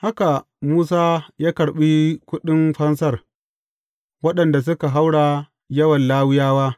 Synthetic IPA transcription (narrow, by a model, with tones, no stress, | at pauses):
ha˦ka˨ | muː˦saː˦jaː˦kɐ˨ɽɓiː˦kʷʊ˦ɗɪ˦mɸɐ˦nsɐ˦˨r | wɐ˦ɗɐ˨nda˨s̬ʊ˦ka˨ɦa˦wɽa˨ | jɐ˦wɐ˨nlaː˦wɪ˦jaː˦waː˦